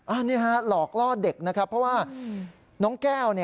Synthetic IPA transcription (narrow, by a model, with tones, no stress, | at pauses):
ʔaː˧˩niː˥˩ɦa˦˥lɔː˨˩k̚lɔː˥˩de˨˩k̚na˦˥kʰa˦˥pʰɾɔ˦˥waː˥˩ | nɔː˦˥ŋkɛː˥˩wni˥˩